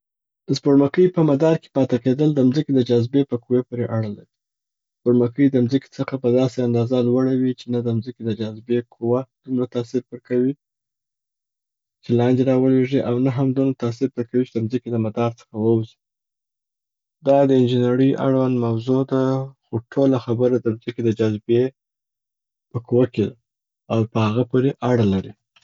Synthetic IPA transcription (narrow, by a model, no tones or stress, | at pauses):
d̪̥əspoɽmakəjpəmad̪ɑɾke̥pɑt̪eked̪əld̪əmzəked̪əd͡ʒazbepəkuwepoɾeʔaɽəla̰d̪i | spoɽmakəjd̪əmzəke̥t͡səxapəd̪ɑseand̪ɑzalwaɽawit͡ʃenad̪əmzəked̪əd͡ʒazbekʰuwad̪̥umɾat̪asiɾbəɾkawi | t͡ʃelɑnd̪eɾɑwəleʐiʔawnaɦamd̪umɾat̪as̬iɾbəɾkawit͡ʃed̪əmzəked̪əmad̪ɑɾt͡sə̥xawəwzi̥ | d̪ɑd̪əɪnd͡ʒɪnaɾəʔa̰ɽwand̪mawzod̪axoʈʰolaxabəɾad̪əmzəked̪əd͡ʒazbe | pəkuwaked̪a | awpəhaɣapoɾeʔaɽalaɾi